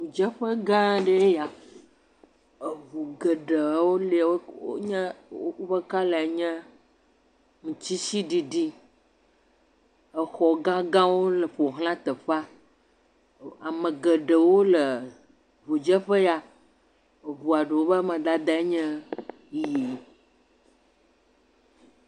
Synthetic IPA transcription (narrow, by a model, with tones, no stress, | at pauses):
vu˨d͡ʒə˦ɸə˦ɡã˦ɖe˦ja˨ | e˨βu˨ɡə˨ɖe˨˦wo˦le˦˨wo̰˦ɲɛ̃˦o˦ɸə˦ka˦le˨e˨ɲɛ̃˦ | ŋũ˨t͡ɕi˦ʃi˦ɖi˨ɖi˦ | ə˨xɔ˨ɡã˦ɡã˦wo˦lə˨ɸo˨ɦlã˦t̪ə˨ɸa˦ | a˨mə̃˨ɡə˨ɖə˨wo˦lə˨ | vu˨d͡ʒə˦ɸə˦ja˨ | ə˨βu˨a˨ɖə˨wo˦bə˦mə̃˨d̪a˦d̪a˦e˦ɲɛ̃˦ | ji˨